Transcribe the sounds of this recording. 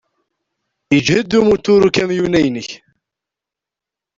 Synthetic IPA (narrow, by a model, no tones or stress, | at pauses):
əd͡ʒhəd̪umut̪ːʊɾukæmjunæjnəç